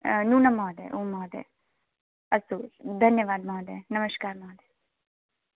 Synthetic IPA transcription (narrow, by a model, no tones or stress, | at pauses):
nuːnɐmɔːd̪ḛʔuːmɔːd̪ḛː | ɐsuːld̪ʱɐnjɐʋaːd̪maːd̪enɐmɐʃkaːɾmɔːd̪e